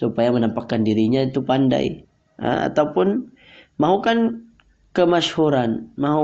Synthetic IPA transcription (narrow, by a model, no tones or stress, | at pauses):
supajamənampakːandiɾiɲait̪upanda̰j | a̰a̰t̪aupʊn | maɦukan | kəmashuɾanmaɦu